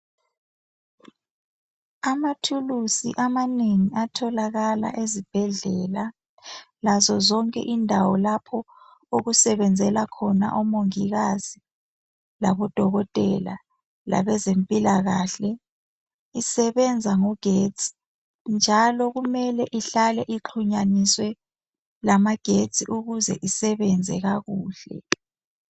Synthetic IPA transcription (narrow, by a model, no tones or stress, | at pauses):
amatʰulusḭʔamaneŋiatʰɔlaɣala̰ʔezib̥ʱɛɮɛla | lazɔzɔŋkʼɛ̰ʔindʱawɔlapʰɔ | oɣusɛβɛnd͡zʱɛlakʰɔna̰ʔɔmoŋiɣazi | laβɔd̥ʱɔɣɔtʼɛla̰ | la̰βɛzempʼilaɣaːɬɛ | isɛβɛnd͡zʱaŋɔɡ̥ʱet͡sʰʼi̥ | nd͡ʒʱalɔɣumɛlɛʔiɬalɛʔiǃʰuɲaniswɛ | lamaɡ̥ʱet͡sʰʼiʔuɣuzɛ̰ʔisɛβɛnd͡zʱɛɣaɣuːɬɛ̰